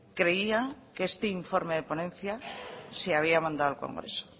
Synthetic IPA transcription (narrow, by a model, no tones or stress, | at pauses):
kɾeiakest̪eiɱfoɾmeðeponẽnθjaseaβ̞iamãnd̪aðalko̰ŋɡɾḛso̥